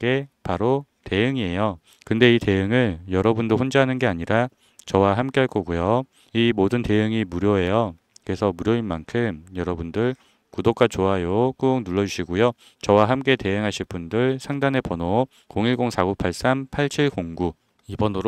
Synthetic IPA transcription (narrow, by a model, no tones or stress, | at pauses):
k͈e̞paɾo | te̞ɯŋie̞jo | kɯnde̞ite̞ɯŋɯɭjʌɾʌbundoɸond͡ʑaɦanɯnɡe̞aɲiɾa | t͡ɕʌwaɦamk͈eɦaɭk͈ʌɡujo | imodɯnte̞jɯŋimuɾjʌɦe̞jo | kɯesʰʌmuɾjʌinmankʰɯmjʌɾʌbundɯɭ | kudok͈at͡ɕoajok͈uːŋnuɭːʌd͡ʑuɕʰiɡojo | t͡ɕʌwaɦamk͈e̞te̞jɯŋɦaɕʰiɭp͈undɯɭsʰaŋdane̞pʌno | koŋiɭɡoŋsʰaɡupʰaɭs͈ampʰaɭt͡ɕʰiɭkoŋɡu | ibʌnoɾo